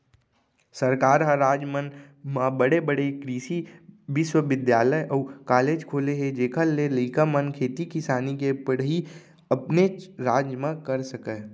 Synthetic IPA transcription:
səɾkaːɾɦəɾaːd͡ʒmən | mãbəɽebəɽekɾiːʃiʋɪʃwəʋɪd̪jaːləjʔɔːkaːleːd͡ʒkʰoːleɦed͡ʒeːkʰəlːeləɪkamənkʰeːt̪ikɪsaːnikepəɽɦi | əpneɾaːd͡ʒjmãkəɾsəkə

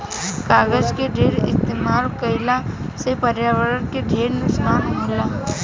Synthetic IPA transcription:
kaːɡəd͡ʒkeɖʱeːɾɪ̰st̪emaːlkəɪlasepəɾjaːʋəɾənkeɖʱeːɾnʊksnaːnɦʊla

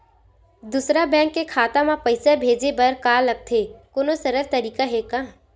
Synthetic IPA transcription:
d̪usɾabɛ̃ːŋkːekʰaːt̪amãpɐɪsabʱeːd͡ʒebɐɾkaːlɐɡ̚t̪ʰekoːnosɐɾəɾt̪ɐɾiːkaɦɛkãː

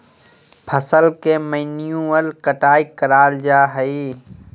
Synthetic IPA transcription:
pʰəsəlkeːməɪnijũəlkəʈaːikəɾaːld͡ʒaːɦəiː

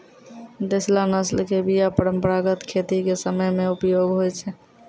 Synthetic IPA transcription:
d̪eslanəslkebijapəɾəmpəɾaɡət̪kʰet̪ikesəməjmẽupjoɡɦojt͡ʃʰɛ

